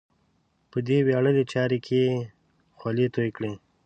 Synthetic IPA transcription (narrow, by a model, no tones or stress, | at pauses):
pəd̪ewɑɽəlet͡ʃɑɾekʰe | xwalet̪ojkɽe